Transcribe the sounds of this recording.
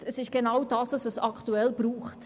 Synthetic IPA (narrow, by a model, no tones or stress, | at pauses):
əsɪʃɡ̥enawdɑːsɑsəsɑktuɛlb̥ɾuːχt